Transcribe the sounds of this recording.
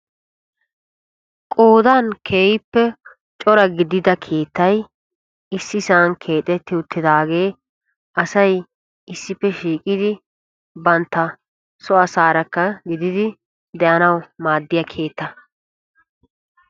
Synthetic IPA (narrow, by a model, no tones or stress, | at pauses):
kʼoːd̪ankʰeːjɪpːɛ | t͡ʃʼɔɾɐɡɪd̪ɪd̪ɐkʰe̞ːt̪ːɐj | ɪsːɪsaːŋkʰe̞ːt̪ʼɛt̪ːɪʊt̪ːɪd̪aːɡe̞ː | ʔɐsɐj | ɪsːɪpːɛʃiːkʼɪd̪ɪ | bɐnt̪ːɐ | sɔɐsaːɾɐkːɐɡɪd̪ɪd̪ɪ | d̪ɛʔɐnɐwmaːd̪ːɪjɐkʰe̞ːt̪ːɐ